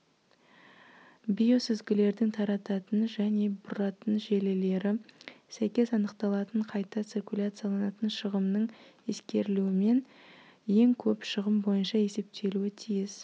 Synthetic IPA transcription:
bʲijo̞sɪzɡʲɪle̞ɾd̪ɪŋt̪ʰɑɾɑt̪ɑt̪ənʒæne̞bʊɾɑt̪ənʒe̞le̞le̞ɾɪsæjkʲe̞sɑnəqt̪ɑlˠɑt̪əɴqʰɑjt̪ɑt̪sirkʲulʲat̪sɨjalˠɑnɑt̪ənʃəʁəmnəɴe̞skʲe̞ɾɪluɪme̞n | je̞ŋkʲʰɵpʃəʁəmbo̞jənʃɑe̞se̞p̚t̪ʰe̞luɪt̪ʰijɪs

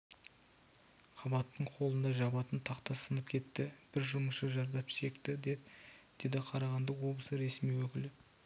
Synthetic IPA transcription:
qʰɑbɑt̪ːəɴqʰo̞lˠənd̪ɑʒɑbɑt̪ənt̪ʰɑqt̪ɑsənəp̚kʲʰe̞t̪ːɪb̥ɪɾʒʊməsʃəʒɑɾd̪ɑpʃe̞kt̪ɪd̪ed̪ɪd̪̥e̞d̪ɪqʰɑɾɑʁɑnd̪əwo̞blˠəsəɾe̞smijwɵkʲɪlɪ

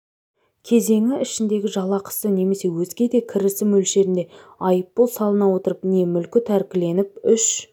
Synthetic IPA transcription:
kʲʰe̞ze̞ŋɪɪʃɪnd̪e̞ɡʲɪʒɑlˠɑqʰə̥səne̞me̞se̞wɵzɡʲe̞d̪e̞kʲʰɪɾɪsɪmɵlʃe̞ɾɪnd̪e̞ɑjəpːolˠsɑlˠənɑwo̞t̪əɾəpne̞mʏlkʲɪt̪ʰæɾkʲɪle̞nɪp̚ʏʃ

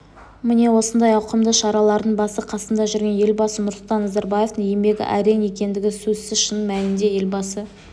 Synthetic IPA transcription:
mɪne̞wo̞sənd̪ɑjɑwqəmd̪əʃɑɾɑlˠɑɾd̪əɴbɑsəqʰɑsənd̪ɑʒʏɾɡʲe̞nje̞lʲbɑsənʊɾslˠt̪ɑnːɑzɑɾbɑje̞ft̪əŋijemb̪e̞ɡʲɪ̰ʔæɾe̞jnje̞kʲe̞nd̪ɪɡʲɪsɵzsɪzʃənmælɪnd̪e̞je̞lʲbɑsə

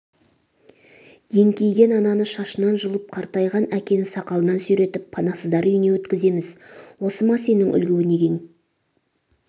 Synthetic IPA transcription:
je̞ŋkʲʰe̞jɡʲe̞nɑnɑnəʃɑʃənɑnʒəlˠəp̚qʰɑɾt̪ɑjʁɑnækʲe̞nɪsɑqɑlˠənɑnsʏjɾe̞t̪ɪpʰːɑnɑsəzd̪ɑɾʏjne̞wɵt̪kʲɪze̞mɪzwo̞səmɑse̞nɪŋʔʏ̰lɡʲewɪneɡʲe̞ŋ

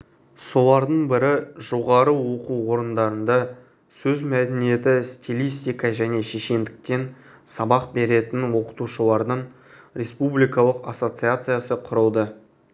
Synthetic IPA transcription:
so̞lˠɑɾd̪əɴbɪɾɪʒo̞ʁɑɾəwo̞quwo̞ɾənd̪ɑɾənd̪ɑ | sɵzmæd̪enije̞t̪ɪst̪ʲʰilʲijst̪ʲijkɑʒæne̞ʃeʃe̞nd̪ɪk̚t̪e̞n | sɑbɑq̚be̞ɾe̞t̪ɪnwo̞qə̥t̪uʃəlˠɑɾd̪əɴ | ɾʲe̞spublijkɑlˠəqasːo̞t̪sɨjat̪sɨjasəqʰʊɾəlˠd̪ə

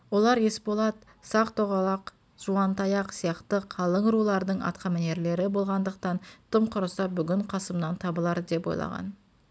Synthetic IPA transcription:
wo̞lˠɑɾe̞spolˠɑt̪ | sɑqt̪ʰoʁɑlˠɑq | ʒ̥uɑnt̪ɑjɑqsijɑqt̪əqʰɑlˠəɴɾulˠɑɾd̪əɴɑ̰t̪qʰɑmæne̞ɾle̞ɾɪbo̞lˠʁɑnd̪əq̚t̪ɑnt̪ʰəmqʰʊɾəsɑbʏɡʲɪɴqʰɑsəmnɑnt̪ʰɑbəlˠɑɾd̪e̞pojlˠɑ̰ʁɑ̰n

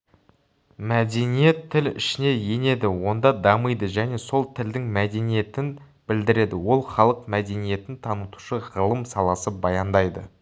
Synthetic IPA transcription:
mæd̪e̞nije̞t̪ʰːɪlɪ̰ʃɪne̞je̞ne̞d̪ɪwo̞nd̪ɑd̪ɑməjd̪əʒæne̞so̞lˠt̪ʰɪld̪ɪŋmæd̪e̞nije̞t̪ɪn | bɪld̪ɪɾe̞d̪ɪwo̞lˠχɑlˠəqmæd̪e̞nije̞t̪ɪnt̪ʰɑnət̪u̥ʃəʁəlˠəmsɑlˠɑsəbɑjɑnd̪ɑjd̪ə

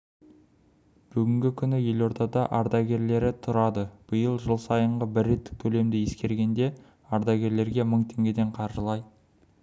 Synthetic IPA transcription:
b̥ʏɡʲɪŋɡʲɪkʲʰʏnɪje̞lo̞ɾt̪ɑd̪ɑʔɑɾd̪ɑɡʲe̞ɾle̞ɾɪt̪ʰʊɾɑd̪əb̥əjəlˠʒəlˠsɑjəɴʁəbɪɾːe̞t̪ːɪ̥k̚t̪ʲʰɵle̞md̪ɪje̞skʲe̞ɾɡʲe̞nd̪e̞ | ɑɾd̪ɑɡʲe̞ɾle̞ɾɡʲe̞məɴt̪ʰe̞ŋɡʲe̞d̪e̞ɴqʰɑɾʒəlˠɑj

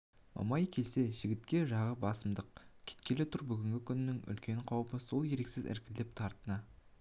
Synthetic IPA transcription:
mɑ̰mɑjkʲʰe̞lse̞ʒɪɡʲɪt̪kʲe̞ʒɑʁəbɑsəmd̪əq̚kʲʰe̥t̪̚kʲe̞lɪt̪ʰʊɾbʏɡʲɪŋɡʲɪkʲʰʏnɪnɪŋʏ̰lkʲe̞ɴqʰɑwpəso̞lˠje̞ɾe̞ksɪzɪ̰ɾkʲɪld̪ep̚t̪ʰɑɾt̪ənɑ

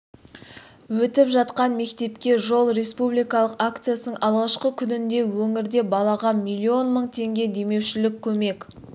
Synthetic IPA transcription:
wɵt̪ɪpʒɑt̪qɑnme̞k̚t̪e̞pkʲe̞ʒo̞lˠɾe̞spublijkɑlˠəqakt̪sɨjasənəɴʔɑlˠʁɑʃqəkʲʰʏnɪnd̪e̞wɵŋɪɾd̪e̞bɑlˠɑʁɑmijlʲːio̞nməɴt̪ʰe̞ŋɡʲe̞d̪e̞me̞wʃɪlɪkʲʰːɵme̞k

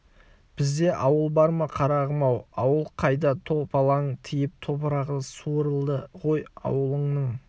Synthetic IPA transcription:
b̥ɪzd̪e̞ʔɑwəlˠbɑɾmɑqʰɑɾɑʁəmɑwɑwəlˠqʰɑjd̪ɑt̪ʰo̞pɑlˠɑɴt̪ʰɪjɪp̚t̪ʰo̞pəɾɑʁəsuɾəlˠd̪əʁo̞jɑ̰wəlˠəɴnəɴ

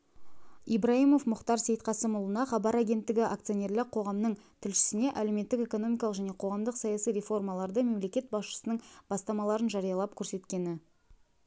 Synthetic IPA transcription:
ibɾaijmo̞fmʊχt̪ɑɾse̞jt̪qɑsəmʊlˠənɑχɑbɑɾaɡʲe̞nt̪ːɪɡʲɪʔak̚t̪sɨjo̞nʲe̞ɾlɪqʰo̞ʁɑmnəɴt̪ʰɪlʃɪ̥sɪne̞ʔæle̞wme̞t̪ːɪke̞ko̞no̞mʲijkɑlˠəqʒæne̞qʰo̞ʁɑmd̪əqsɑjɑsijɾe̞fo̞rmɑlˠɑɾd̪əme̞mle̞kʲe̞t̪̚bɑsʃə̥sənəɴb̥ɑst̪ɑmɑlˠɑɾənʒɑɾijɑlˠɑp̚kʲʰɵɾse̞t̪kʲe̞nɪ

